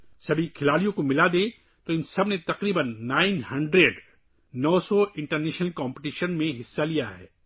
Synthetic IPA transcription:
sɐbʱikʰɪlaːɽijõkomɪlad̪ẽ | t̪oɪnsɐbnet̪ɐqɾiːbənːaːɪnhɐ̃ɳɖɾeɖ | nɔːsɔɪ̃ɳʈəɾnɛːʃnəlkɔ̃ːmpɪʈiːʃənmẽɦɪsːalijaɦɛ̰ː

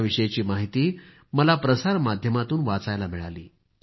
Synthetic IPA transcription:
ʋiɕəjat͡ɕiːmaɦit̪iː | məlapɾəsaɾmad̪ʱjəmat̪uːnʋat͡sajlamiɭaliː

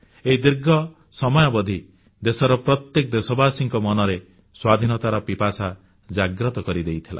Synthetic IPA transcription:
eɦid̪iɾɡɔ | sɔmɔjɔbɔd̪ʱi | d̪esɔɾɔpɾɔt̪jek̚d̪esɔbaːsiŋkɔmɔnɔɾe | swad̪ʱinɔt̪aɾɔpipasa | d͡ʒaɡɾɔt̪ɔkɔɾid̪ejt̪ʰila̰

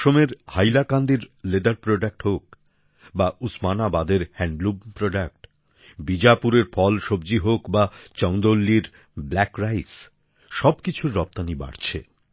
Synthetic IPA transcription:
ʃomeɾhajlakand̪iɾled̪aɾpɾoɖak̚ʈhok̚ | bausmanabad̪eɾhɛɳɖlubpɾoɖak̚ʈ | bid͡ʑapuɾeɾfʰɔlʃobd͡ʑiɦokbat͡ɕɔwnd̪olːiɾ | blɛkɾajs | ʃɔbkit͡ɕʰuɾːɔp̚t̪aniba̰ɽt͡ɕʰḛ

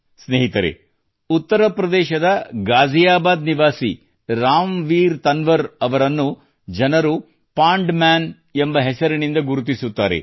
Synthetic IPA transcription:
sneːɦit̪ɐɾḛ | ut̪ːɐɾɐpɾɐd̪ɛːʃɐd̪ɐɡaːd͡ʒʱijaːbaːd̪niʋaːsḭ | ɾaːmʋiːɾt̪ɐnʋɐɾɐʋɐɾɐnːu | d͡ʒɐnɐɾu | paːɳɖmaːn | embɐɦesɐɾunind̪ɐɡuɾut̪̬isut̪ːa̰ːɾḛ

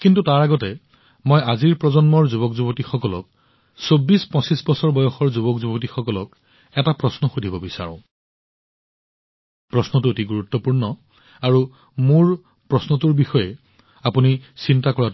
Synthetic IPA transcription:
kintutaɹaɡɔtɛ | mɔjaziɹpɹɔzɔnmɔɹzubɔkzubɔtixɔkɔlɔk̚ | sobːispɔ̃sisbɔsɔɹbɔjɔxɔɹzubɔkzubɔt̬ixɔkɔlɔk | ɛtapɹɔsnɔxudʱibɔbisa̰ɹɔ̃ | pɹɔsnɔtuetiɡuɹutːɔpuɹnɔ | aɹu | muɹ | pɹɔsnɔtuɹbixɔjɛ | apunisintakɔɹat

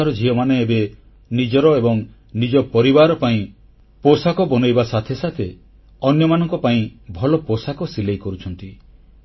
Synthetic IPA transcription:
aɾɔd͡ʒiɔmaneːbe | nid͡ʒɔɾɔebɔŋ | nid͡ʒɔpɔɾibaɾɔpaĩ | posakɔbɔnɔjbasat̪ʰesat̪ʰe | ɔnjɔmanɔŋkɔpaĩbʱɔlɔposakɔsilejkɔɾut͡ʃʰɔnt̪i

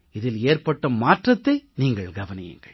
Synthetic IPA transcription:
ɪðɪleːrpɐʈːɐmaːʈrɐt̪ːɐɪniːŋɡɐɭɡɐʋɐnɪjɪ̰ŋɡɐ̰ɭ

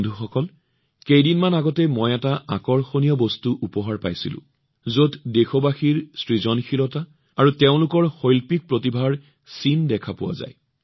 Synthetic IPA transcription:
ndʱuxɔkɔl | kejdinmanaɡɔtɛmɔjɛtaakɔɹxonijɔbostuʔupɔɦaɹpa̰jsḭlʊ̰̃ | zoddexɔbaxiɹsɹizɔnxʰilɔta | aɹuteʊ̃lʊkɔɹxojlpik̚pɹotibʱaɹ | sindɛkʰapʊwa̰za̰j

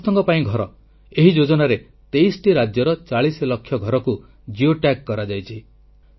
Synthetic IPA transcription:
t̪ɔŋɡɔpaĩɡʱɔɾɔ | eɦid͡ʒod͡ʒɔnaɾe | t̪ejsʈiɾad͡ʒjɔɾɔt͡ʃaɭislɔkʰːjɔɡʱɔɾɔku | d͡ʒioʈakkːɔɾad͡ʒajt͡ʃʰi

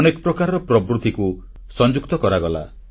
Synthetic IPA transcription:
nekɔpɾɔkaɾɔpɾɔbɾut̪iku | sɔnd͡ʒukt̪ɔkɔɾaɡɔla̰

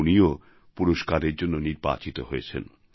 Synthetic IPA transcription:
unio | puɾoʃkaɾeɾd͡ʑonːoniɾba̰t͡ɕit̪oɦojet͡ɕʰḛn

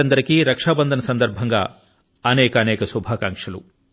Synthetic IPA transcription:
ɐnd̪ɐɾɐkiɾɐkʂaːbɐnd̪ʱɐnɐsɐnd̪ɐɾbʱɐŋɡa̰ | ɐnɛːkɐːnɛːkɐsubʱaːkaːŋkʂɐlṵ

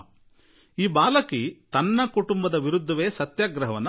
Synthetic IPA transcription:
iːbaːlɐkit̪ɐnːɐkuʈumbɐd̪ɐʋiɾud̪ʱːɐʋeːsɐt̪jaːɡɾɐɦɐʋɐnː

